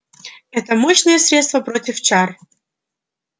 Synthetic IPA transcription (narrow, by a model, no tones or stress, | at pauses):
ɛt̪əmoɕnɨjəsɾʲet̪st̪vəpɾotʲɪft͡ɕar